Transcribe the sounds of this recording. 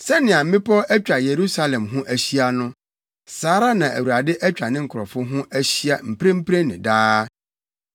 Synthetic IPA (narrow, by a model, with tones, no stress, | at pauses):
sɛ˦nɪ̃˨a˨m̩˦mɪ̃˦pʰɔ˦ʔæ˦t͡ɕᶣa˨je˨ɾu˦sa˦lɛ̃˨mɦʊ̃˦ʔæ˨ɕi˦a˦nʊ̃˦ | saː˨˦ɾa˦nã˨ʔæ̰˨wu˨ɾa˨dɪ˦ʔæ˦t͡ɕᶣa˨nɪ̃˦ŋ̩˨kʰʊ˨ɾɔ˨fʊ˦ɦʊ̃˦ʔæ˦ɕi˦a˨m̩˨pɾẽ˦m̩˦pʰɾe˦nɪ̰̃˨daː˦